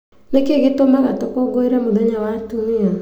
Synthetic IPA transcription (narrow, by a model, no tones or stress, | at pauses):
nekeɡetomaɣatokoɡoiɾamoðeɲawatunia